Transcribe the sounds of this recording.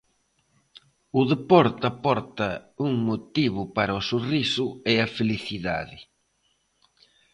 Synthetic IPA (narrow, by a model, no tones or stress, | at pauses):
ʊðepɔɾt̪apɔɾt̪ɐuŋmot̪iβʊpaɾɐosorisʊeɐfeliθiða̰ðɪ